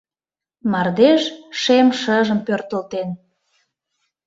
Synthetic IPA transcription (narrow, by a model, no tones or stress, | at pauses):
mɑrd̪eʃʃemʃəʒəmpørt̪əlt̪en